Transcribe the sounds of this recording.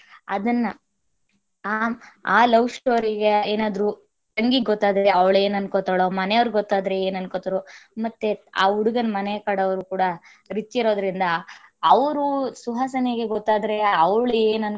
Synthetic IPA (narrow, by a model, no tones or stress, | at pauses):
ɐd̪ɐnːɐ | aaːlɐʋsʈoːɾiɡeeːnaːd̪ɐɾu | t̪ɐŋɡiɡɡɔt̪ːaːd̪ɐɾeɐʋɭe̞ːnɐnkoːt̪ɐɭoːmɐnɛjɐʋɾɡɔt̪ːaːd̪ɐɾeeːnɐnkoːt̪ɐɾomɐt̪ːea̰ːuɽuɡɐnɐmɐnɛkɐɽɐʋɐɾukuːɽɐ | ɾit͡ʃːiɾo̞ːd̪ɐɾind̪ɐːʋɐɾusuɦaːsɐneɡeɡɔt̪ːaːd̪ɐɾeɐʋɐɭeːnɐn